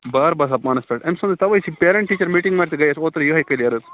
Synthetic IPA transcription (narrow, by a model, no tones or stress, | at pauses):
baːɾbɐːs̬ɐpmaːnɐspeʈɐmsɐːnd̪ɨt̪ɐʋɐjsipeːɾeɳʈʈːiːt͡ʃɐɾmiːʈiŋɡmɐːɾt̪ɨɡɐjɐsoːt̪ɨɾjuɦɐjkɐjlijɐɾɨt̪